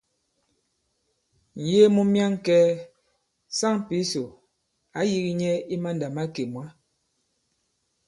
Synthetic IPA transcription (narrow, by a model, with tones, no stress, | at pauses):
n̩˨je˦mu˦mja˦ŋ˦kɛ˦ | sa˦ŋ˨pi˦so˨ | a˨˦ji˦ɣi˦ɲɛ˦i˦ma˦n˨da˨ma˦ke˨mwa˦